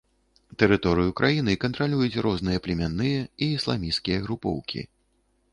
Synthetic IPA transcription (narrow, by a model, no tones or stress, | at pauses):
t̪ɛɾɨt̪ɔɾɨjukɾʔajinɨkɐnt̪ɾalʲujut͡sʲɾɔznɨjɐplʲɛmʲanːɨjɐiːslˠa̰mʲiskʲijɐɣɾupɔ̰wkʲḭ